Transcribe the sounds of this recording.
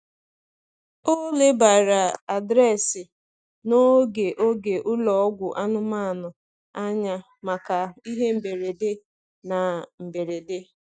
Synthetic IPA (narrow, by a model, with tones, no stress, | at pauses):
o˦le˦ba˨ɾa˨a˨dɾɛ˦˨sɪ˨ | no˦ɡe˨ʔo˦ɡe˨ʔʊ˦lɔ˨˦ɡʷʊ˨ʔa˦nʊ˦ma˦˨nʊ˨ | a˦ɲa˦ | ma˨ka˨i˦ɦe˦m̩˨be˨ɾe˨de˦ | na˨m̩˨be˨ɾe˨de˦